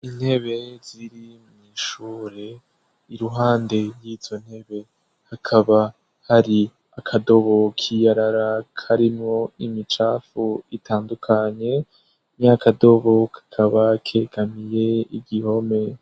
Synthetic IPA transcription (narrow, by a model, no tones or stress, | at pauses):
in̥he̞βe̞z̥iɾimuŋiʃuːɾe̞ | iɾuɦaːnde̞jiːz̥o̞n̥he̞βe̞ | hakʰaβa | haɾi | akʰado̞βokʰijaɾaɾakʰaɾimŋo̞imit͡ʃaːfuitʰaːndukʰaɲe̞ | mɲakado̞βo̞kʰḁkʰaβakʰe̞ɡamije̞iɡiho̞me̞